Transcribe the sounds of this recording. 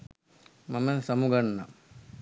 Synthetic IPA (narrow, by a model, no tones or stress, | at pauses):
mɐmɐsɐmuɡɐɳːɐ